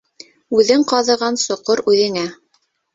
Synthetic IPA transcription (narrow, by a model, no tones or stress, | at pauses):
ʉðɘɴqɑðɤ̆ʁɑnsŏqoɾʉðɘ̆ŋæ